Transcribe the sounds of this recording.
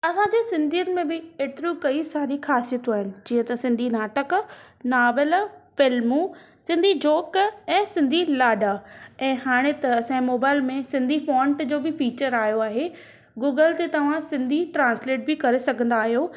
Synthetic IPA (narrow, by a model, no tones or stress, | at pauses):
ɐsãd͡ʑeːsɪ̃nd̪ʱijənɪ̆mẽbɪeːt̪ɪɾũkɐisaːɾixaːsijət̪aːɦɪnɪ̆d͡ʑiːə̃t̪ɐsɪ̃nd̪ʱinaːʈək | naːʋəlfɪlmũ | sɪ̃nd̪ʱid͡ʑoːkɛ̃ːsɪ̃nd̪ʱilaːɖaɛ̃ːɦaːɽ̃et̪ɐsãmoːbaːɪlmẽsɪ̃nd̪ʱifõːɳʈd͡ʑoːbɪfiːt͡ɕəɾaːɦijoaːɦe | ɡuːɡəlt̪et̪ɐʋ̤ãsɪ̃nd̪ʱiʈɾãːnsleːʈ̚bɪkɐɾesɐɡʱə̃nd̪aːɦijoː